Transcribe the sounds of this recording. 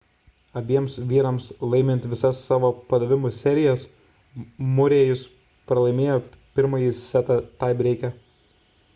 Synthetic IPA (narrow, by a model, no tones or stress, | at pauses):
ɐbʲiɛmsʋʲiːɾɐmslˠɐɪmʲɪnʲt̪ʲʋʲɪsɐsːɑːʋoːpɐd̪ɐʋʲɪmʊsʲɛɾʲɪjɛs | mʊɾʲeːjʊs | pɾɐlˠɐɪmʲeːjoː | pʲɪɾmɐjisʲæt̪ɐt̪ɑɪbʲɾʲɛɪkʲɛ